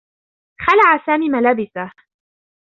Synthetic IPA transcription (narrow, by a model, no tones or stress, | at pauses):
xalaʕasaːmiːmalaːbɪsah